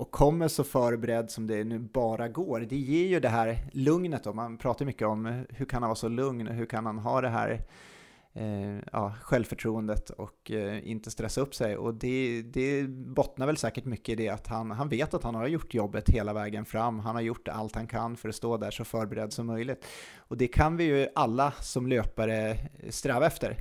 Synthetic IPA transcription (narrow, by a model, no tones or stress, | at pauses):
ʔɔkʰːɔmːəʂɔfœːɾbɛɾɛd̪ːsɔmd̪ɛːnʉ̟ːbɑːɾaɡoːɾd̪ɛjɪːɾjɵd̪ɛɦæːɾlɵŋnət̪d̪ɔmanpʰɾɑːt̪aɾmʏkːəɔmhɵɾkʰanhanvɑːsɔlɵŋnɔ̰ɦɵɾkʰanhanɦɑːd̪ɛɦæ̰ːɾ | jɑ̰ːɧɛlvfœʈʰɾuːənd̪ət̪ɔ̰kɪ̰nt̪əst̪ɾɛsːaɵpːsɛjɔ̰d̪ɛd̪ɛbɔt̪naɾvɛlsɛːkəʈmʏkːəɪd̪ɛat̪hanɦanveːt̪at̪hanhaɾjʊʈːjɔbːət̪heːlavɛːɡənfɾamːɦanhaɾjʊʈːa̰lt̪hankʰanːfœɾɔst̪oːd̪æʂɔfœːɾbɛɾɛd̪ːsɔmːœjlɪɡt̪ | ɔd̪ɛkʰanvɪjɵʔalːasɔmløːpaɾəst̪ɾɛːvaɛft̪ə̰ɾ